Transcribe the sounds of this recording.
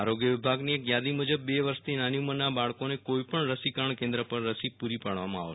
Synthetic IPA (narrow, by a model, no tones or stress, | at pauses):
aɾoɡjəʋɪbʱaɡniekjad̪imud͡ʒəbːeʋəɾʃt̪ʰinanjumənabaɭkonekoipəɳɾəsikəɾɳkẽnd̪ɾəpəɾːəsipuɾipaɽʋamãa̰ʋ